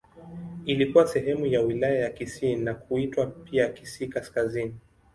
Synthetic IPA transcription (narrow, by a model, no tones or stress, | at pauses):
ilikuwasɛɦɛmujawilajajakisinakuitwapiakisiːkaskazini